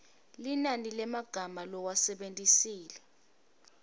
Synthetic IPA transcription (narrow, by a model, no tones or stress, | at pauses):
linanilɛmaɡ̥ʱamalɔwasɛɓentʼisiːlɛ